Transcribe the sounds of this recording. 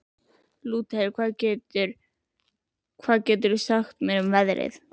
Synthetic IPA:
luːt̪eɪɾkʰv̥aːðcɛt̪ʏɾ̥ | kʰv̥aːðcɛːt̪ʏɾɪsaxt̪mɛɾʏmvɛðɾɪ̰θ

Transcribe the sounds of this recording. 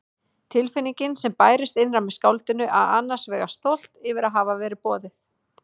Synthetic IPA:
t̪ʰɪlfɪniɲcɪnsɛmpaːjɾɪst̪ɪnrawmɛ̥skawlt̪ɪnʏʔa̰ða̰nːḁsvɛːɣast̪owl̥t̪ɪvɪɾaðɦaːvavɛːɾɪpɔːðɪθ

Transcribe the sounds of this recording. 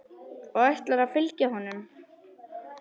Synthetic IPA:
ɔɣajht̪laɾaðfɪlcaɦɔnːʏm

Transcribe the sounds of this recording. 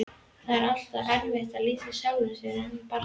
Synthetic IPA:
θaɾal̥t̪aɛɾvɛr̥t̪aðliːsɪsawlʏnsɛɾɛnpaɾ

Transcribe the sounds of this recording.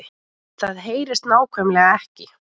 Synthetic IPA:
ɪ | θaðɦeːjɾɪst̪naːwkʰvœmlɛɣaɛhcɪ

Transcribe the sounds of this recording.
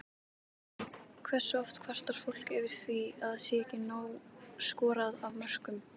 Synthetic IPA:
kʰvɛr̥sːʏɔft̪kʰvar̥t̪aɾ̥fowl̥kɛvɪɾ̥θviaðaðsjɛɛhcɪnaːwskɔːɾaðavmœr̥kʏm

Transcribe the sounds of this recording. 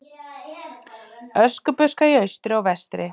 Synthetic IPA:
œskʏpʏskaiœɥst̪ɾɪɔɣvɛst̪ɾɪ

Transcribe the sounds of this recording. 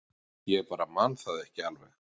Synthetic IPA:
jɛɛɾpaːɾamanθaðɪɛhcɪalvɛ

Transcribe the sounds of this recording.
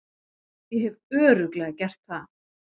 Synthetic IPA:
jɛhɛvœːɾʏklɛɣacɛr̥t̪θað

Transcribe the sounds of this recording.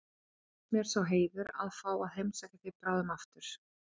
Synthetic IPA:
mɛɛɾ̥sawɦeːjvʏɾa̰ðfaːwaðɦejmsajkcaθɪpɾaːðʏmaft̪ʏɾ̥

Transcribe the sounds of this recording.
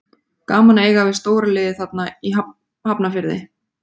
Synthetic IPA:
kaːmaneːjɣavɪðst̪oːwɾalɪːðɪθat̪̚naiɦa | hapnafɪɾðɪ̰

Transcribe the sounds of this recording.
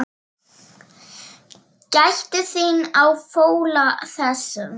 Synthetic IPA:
cajçt̪ɪθɪnawfoːwlaθɛsʏ

